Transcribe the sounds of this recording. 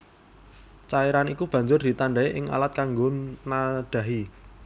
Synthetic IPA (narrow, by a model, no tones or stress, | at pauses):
t͡ʃaeɾanikub̥ä̤ɲd͡ʒʊrd̪̥i̤t̪aɳɖaeʔɪŋa̰lat̪̚kaŋɡonaɖ̥ä̤ɦi